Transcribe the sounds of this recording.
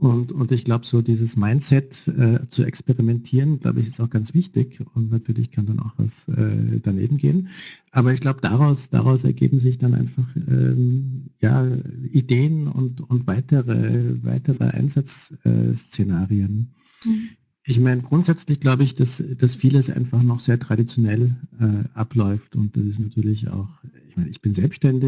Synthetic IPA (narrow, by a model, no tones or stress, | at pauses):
ʔʊntʊntɪçɡ̥laʊbəz̥oːdiːzəsmaɪntt͡sɛtʔɛːt͡suɛ̰kspeʁimɛntʰiːʁənɡ̥la̰ʊbəɪçɪstaʊxɡ̥ant͡sv̥ɪçtɪçʊntnatʰyːɐlɪçkʰandana̰ʊxv̥a̰sʔɛ̰ːd̥anḛːbm̩ɡḛːənʔaːbɐɪçɡ̥laʊbədaʁaʊsd̥a̰ʁaʊsɛ̰ɐɡḛːbm̩zɪçd̥anʔa̰ɪnfaχʔɛ̰ːja̰ːʔideːənʊ̰ntʊntv̥aɪtəʁə̰va̰ɪtəʁə̰ʔa̰ɪnzat͡sɛ̰ːst͡senaːʁiən | ʔɪçmaɪnəɡʁʊntz̥ɛt͡slɪçɡ̥laʊbəɪçd̥asd̥asfiːləsʔa̰ɪnfaχnɔχz̥eːɐtʁ̥aɾit͡sjonɛlʔɛːʔaplɔʏftʊnt̚d̥asɪstnatʰyːɐlɪça̰ʊxɪçmaɪnəɪçb̥ɪnzɛlpstʃtɛndɪ